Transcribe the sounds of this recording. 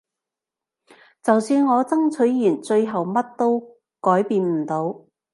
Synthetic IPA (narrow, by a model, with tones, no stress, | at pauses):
t͡sɐ˨wsyː˧nŋɔː˨˧t͡sɐ˥ŋt͡sʰɵ˨˥ɥːyː˨˩nt͡sɵ˧ɥɦɐ˨wmɐ˥t̚t̪o˥w | kɔː˨˥jpiː˧nm̩˨˩t̪o˨˧w